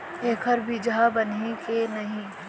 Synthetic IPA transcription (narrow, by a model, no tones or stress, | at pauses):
eːkʰəɾbid͡ʒabɐnikenɐɦĩː